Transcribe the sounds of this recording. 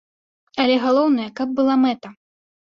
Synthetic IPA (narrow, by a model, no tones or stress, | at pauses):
ɐlʲɛɣalˠɔwnɐjɛkɐb̚ːɨlˠamɛt̪ɐ